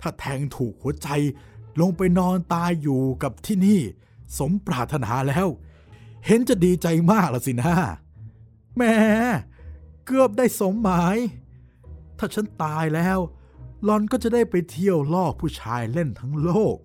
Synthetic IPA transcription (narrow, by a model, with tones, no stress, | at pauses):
t̪ʰaː˥˩t̪ʰɛː˧ŋt̪ʰuː˨˩k̚hu˩˦ɐt͡ɕa˧jlo˧ŋpa˧jnɔː˧nt̪aː˧jːuː˨˩ka˨˩p̚t̪ʰiː˥˩niː˥˩ | so˨˦mpɾaː˨˩t̪ʰːa˧na̰ː˩˦lɛː˦˥w | he˨˦nt͡ɕa˨˩diː˧t͡ɕa˧jmaː˥˩k̚la˨˩si˨˩na˦˥ | mɛː˧˥˩ | kɯ˥˩əp̚daː˥˩jso˨˦mːaː˨˩˦j | t̪ʰaː˥˩t͡ɕʰa˦˥nt̪aː˧jlɛː˦˥w | lɔ˧˥nkɔː˥˩t͡ɕa˨˩daː˥˩jpa˧jt̪ʰi˧˥˩əwlɔː˥˩k̚pʰuː˥˩t͡ɕʰaː˧jle˥˩nt̪ʰa˦˥ŋloː˥˩k̚